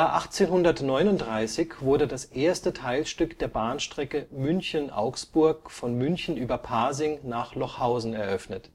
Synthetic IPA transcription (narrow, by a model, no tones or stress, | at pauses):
jaːʔaχt͡seːnhʊndɐtnɔʏnʊntd̥ʁaɪsɪçv̥ʊɐdədasʔeːɐstətʰaɪlʃtʏkd̥eːɐbaːnʃtʁ̥ɛkəmʏnçənʔa̰ʊksb̥ʊɐkfɔnmʏnçn̩ʔyːbɐpʰaɐzɪŋnaːχlɔχhaʊzn̩ɛɐʔœfnət